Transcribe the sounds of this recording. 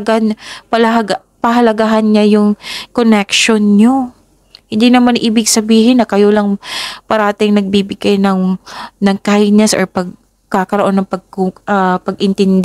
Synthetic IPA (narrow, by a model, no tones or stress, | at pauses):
ɡanpɐlɐɦɐɡa | pɐɦɐlɐɡaɦɐnɲajʊŋkonɛkʃonɲo | hɪnd̪inɐmanʔiːbɪɡsɐbiːhɪnːɐkɐjolɐŋpɐɾaːt̪ɪŋnɐɡ̚biːbɪɡ̥ajnɐŋnɐŋkajnɛsʔo̰ɹpɐɡ̚ | kakɐɾoʔo̞nːɐŋpɐɡ̚ɐpɐɡʔɪnt̪ɪnd̪